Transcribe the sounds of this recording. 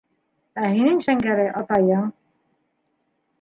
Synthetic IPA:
æhinɘŋʃæŋɡæɾɘʔɑt̪ɑjɤɴ

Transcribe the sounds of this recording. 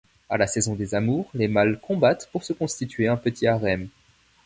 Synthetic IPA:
a̰lasɛzɔ̃d̪ezamuːʁlemalkɔ̃bat̪puʁsəkɔ̃st̪it̪ɥeɛ̃pət̪ʰiaʁɛm

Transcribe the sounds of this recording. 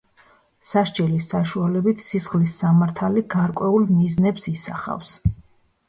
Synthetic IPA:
saʃd͡ʒʼɛlisaʃualɛbit̪ʰsisχlisːamaɾt̪ʰaliɡaɾkʼwɛulˠmiznɛbsisa̰χa̰fs

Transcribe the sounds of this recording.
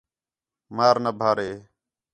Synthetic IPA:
maːɾnəbʱaːɾeː

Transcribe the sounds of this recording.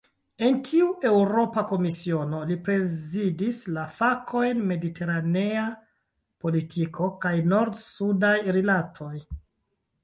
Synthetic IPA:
e̞ntʰiuʔe̞wɾo̞pako̞misio̞no̞lipɾe̞zidislafakʰo̞jnme̞ditʰe̞ɾane̞a | po̞litʰikʰo̞kajno̞ɾdsudajɾilatʰo̞j

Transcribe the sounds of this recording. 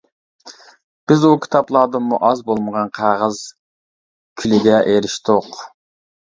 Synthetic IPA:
b̥ɪzukʲʰi̥t̪ʰɑplˠɑːd̪ɨnmːuʔɑzbolˠməʁɑnqʰɑʁəz | kʲʰylɪɡ̪ʲɛʔeɾɪʃt̪ʊq

